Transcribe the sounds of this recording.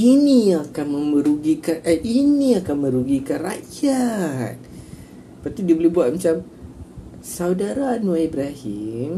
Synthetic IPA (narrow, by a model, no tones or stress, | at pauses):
iniakanmə̃məɾuɡikanəʔinĩakanmə̃ɾuɡikanra̰jat̪̚ | bpart̪idiabolibuat̪̚mat͡ʃam | sawdaɾanũaibɾaɦim